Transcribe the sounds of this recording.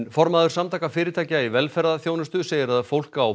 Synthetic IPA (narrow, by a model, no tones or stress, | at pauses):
nfɔɾmaðʏɾ̥samt̪ʰaːkafɪːɾɪt̪ʰaːcaivɛlfɛɾaðaθjownɪst̪ʏseːjɪɾaðfowl̥kkaːw